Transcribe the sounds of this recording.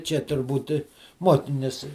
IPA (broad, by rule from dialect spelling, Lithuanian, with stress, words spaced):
t͡ʃʲɛ tʊrˈbuːt ˈmuɔkʲɪnʲʊs